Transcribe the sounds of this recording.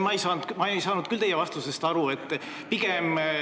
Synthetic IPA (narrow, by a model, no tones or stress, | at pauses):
mɑejsɑːnd̪mɑejsɑːnud̪̥̚kylt̪e̞jevɑst̪usest̪ɑɾue̞t̪ˑː | piɡem